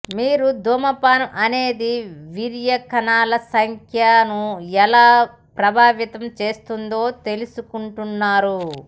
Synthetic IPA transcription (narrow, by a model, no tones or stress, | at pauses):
miːɾud̪ʱoːmɐpaːnɐʔɐne̞ːd̪iʋiɾjɐkɐnaːlɐsɐŋkʰjanuɛlaː | pɾɐbʱaːʋjit̪ɐmt͡ʃe̞ːst̪und̪o̞ːt̪e̞lusukuɳʈunːaːɾu